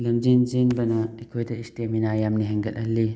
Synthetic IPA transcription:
lɐmd͡ʒinzinbɐnaekʰojtɐisteminajamniɦɐŋɡɐlɐlːi

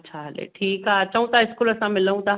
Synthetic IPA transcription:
tːɕʰaɦɐlḛʈʰiːkaɐt͡ɕəũt̪ʰaɪskuːlɐsãmɪləɦũt̪a

